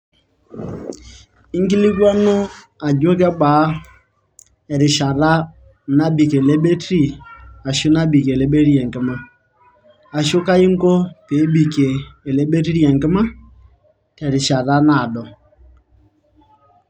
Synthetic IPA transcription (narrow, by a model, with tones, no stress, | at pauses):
i˦ŋ˦ki˦li˦ka˦no˦ | a˨d͡ʒo˦k̬ɛ˦ɓaː˨˦ | ɛ˨ɾɪ˨ʃa˨ɾa˦˨ | na˦bi˨ke˨le˦ɓe˦tɾi˦˨a˨ʃʊ˦na˦bi˨ke˨le˦ɓe˦ɾi˦ɛ˨ŋkɪ˦ma˦ | a˨ʃʊ˦ka˦i˦ŋ˦ko˦pe˨˦bi˨keː˨le˦ɓe˦t̬i˦ɾi˦ɛ˨ŋkɪ˦ma˦ | tɛ˨ɾɪ˨ʃa˨ɾa˦na˦˨dɔ˨